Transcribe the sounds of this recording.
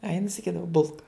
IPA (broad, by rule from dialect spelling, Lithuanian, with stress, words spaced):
ɐ jɪn sɐˈkʲiːdɐʋɐ ˈbʊlˠkɐ